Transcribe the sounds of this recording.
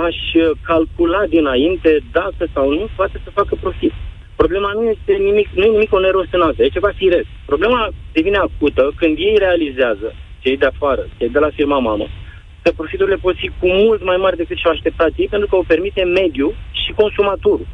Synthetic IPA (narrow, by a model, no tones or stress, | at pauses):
aʃəkalkulat̚d̪inaint̪e̞d̪akəsawnupoat̪e̞səfakəpɾo̞fit̪ | pɾo̞ble̞manuje̞st̪e̞nimiknuje̞nimiko̞ne̞ɾo̞sɨnast̪aet͡ʃevafiɾest̪pɾo̞ble̞mad̪e̞vine̞ak̚ut̪əkɨnd̪je̞jre̞alizeazət͡ʃejd̪eafaɾət͡ʃejd̪e̞lafirmamamə̰ | kəpɾo̞fit̪uɾilepo̞t̪fikumult̪majmaɾed̪e̞kɨt̪ʃawaʃt̪e̞p̚t̪at̪jejpent̪ɾukəope̞rmit̪e̞me̞d̪juʃiko̞nsumat̪oɾu